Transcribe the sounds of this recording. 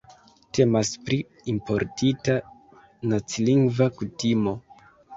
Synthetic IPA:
te̞maspɾi | impo̞ɾtʰita | nat͡siliŋɡvakutimo̞

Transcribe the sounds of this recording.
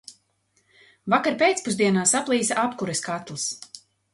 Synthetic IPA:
vakaɾpeːt̪spuzd̪iɛnaːsaplˠiːsaʔapkuɾɛskat̪lˠs

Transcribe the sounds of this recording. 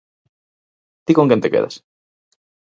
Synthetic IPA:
t̪ikoŋkent̪ekeða̰s

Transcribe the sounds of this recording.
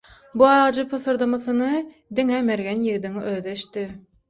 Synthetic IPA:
buɑːʁɑd͡ʒɯpʰɯθɯɾd̪ɯmɯθɯnɯ | d̪iŋemeɾɡenjɯɣd̪iŋøðeʃt̪i

